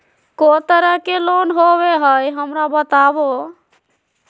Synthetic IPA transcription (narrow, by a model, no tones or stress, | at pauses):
kot̪əɾəkelonɦobeɦəjɦəmɾabət̪abo